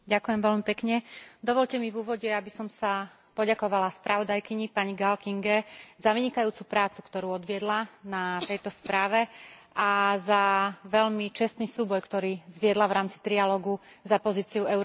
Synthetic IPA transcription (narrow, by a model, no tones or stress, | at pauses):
ɟakujɛmʋɛʎmipɛkɲɛd̪ɔʋɔʎcɛmivuːʋɔɟɛabisɔmsa | pɔɟakɔʋalaspɾʔaʋɔd̪ajkiɲipaɲiɡalkiŋɡɛzaʋiɲikajuːt͡supɾaːt͡su̥kt̪ɔɾuːɔd̪ʋɪɛd̪lanat̪ɛjt̪ɔspɾaːʋɛʔazaʋɛʎmit͡ʃɛst̪niːsuːbɔjkt̪ɔɾiːzʋɪɛd̪laʋɾaːmt͡si̥t̪ɾialɔːɡuzapɔziːt͡siuɛʊɾ